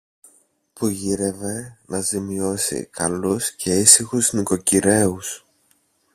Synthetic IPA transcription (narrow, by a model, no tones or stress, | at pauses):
puʝiɾe̞ve̞nɐzimio̞sḭkʰɐluscʰe̞isixuzniko̞ciɾe̞us